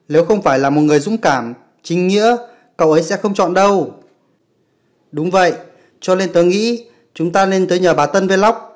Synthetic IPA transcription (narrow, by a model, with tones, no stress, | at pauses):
le˨˦wxə˧wŋ͡mfaː˧˩jlaː˨˩mo˨˩t̚ŋɨ˨˩əjzʊ̰˧˥ŋ͡mkaː˧˩m | t͡ɕï˨˦ŋ̟ŋḭ˧˥ə | kə̰˧˨wʔə˨˦jsɛ̰˧˥xə˧wŋ͡mt͡ɕɔ̰˧˨nɗə˧w | ɗʊ˨˦ŋ͡mvə̰˧˨j | t͡ɕɔ˧le˧nt̪əː˨˦jŋḭ˧˥ | t͡ɕʊ˨˦ŋ͡mt̪aː˧ne˧nt̪əː˨˦jɲəː˨˩ɓaː˨˩t̪ə˧nve˨˦la˦˥wk͡p̚